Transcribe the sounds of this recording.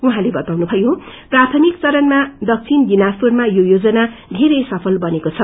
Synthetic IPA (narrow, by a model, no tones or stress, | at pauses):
uɦãlebʌt̪awnubʱʌjoprat̪ʰʌmikt͡sʌɾʌnmad̪ʌk̚t͡sʰinɡinaspurmajojod͡zʌnad̪ʱeɾesʌpʰʌlbʌnekot͡sʰʌ